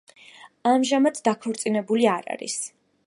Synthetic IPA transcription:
amʒamat̪ʰd̪akʰɔɾt̪sʼinɛbuliaɾa̰ɾḭs

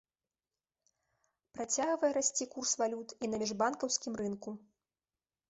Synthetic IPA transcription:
pɾat͡sʲaɣvɐjɛɾasʲt͡sʲikursvalʲut̪inɐmʲiʐbankɐwsʲkʲimrɨnku

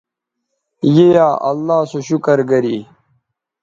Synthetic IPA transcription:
jejaːʔɐlːaːsoɕukɐɾɡɐɾiː

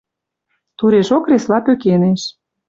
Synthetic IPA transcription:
t̪uɾeʃokreslɑpøkeneʃ

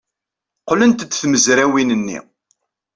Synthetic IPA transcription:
qlənt̪ət͡sːθməzɾæwinənːḭ

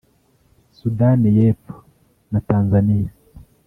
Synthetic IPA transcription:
sudanijefo̥ | nataːnzanija

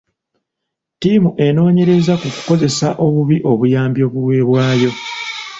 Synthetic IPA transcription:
timuʔe̞no̞ːɲe̞ɾe̞zakuku̥ko̞ze̞saʔo̞βuβiʔo̞βujaːmbjo̞ːβuwe̞ːβwaːjo̞

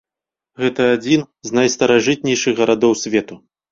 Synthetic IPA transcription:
ɣɛt̪ɐːd͡zʲin | znajst̪ɐɾaʐɨt̪̚nʲɛjʂɨɣɣɐɾad̪ɔwsʲvʲɛt̪u

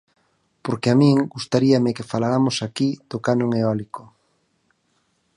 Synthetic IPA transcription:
poɾkeamĩŋɡust̪aɾiamɪkefalaɾamosakið̥okanõŋeɔliko

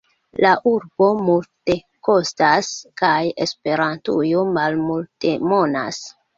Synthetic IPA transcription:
laʔuɾbo̞multe̞ | ko̞staskaje̞spe̞ɾantujomalmulte̞mo̞na̰s

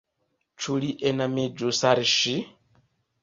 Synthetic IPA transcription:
t͡ʃʰuliʔɛnamid͡ʒusaɾiʃi

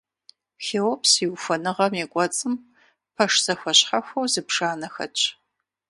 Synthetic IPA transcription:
xeːwɔpsiwufɐnɨʁɐmeːkʷʼɔt͡sʼɨm | pʰɐʂz̥ɐxʷɐɕħɐxʷɐwzɨpʂaːnɐxɐ̰t͡ʃʰʼ

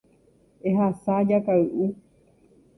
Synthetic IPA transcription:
eɦasad͡ʒakaɨʔu

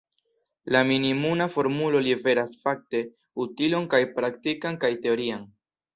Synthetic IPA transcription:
laminimunafo̞ɾmulo̞live̞ɾasfak̚te̞ | utilo̞nkajpɾaktikankajte̞o̞ɾian

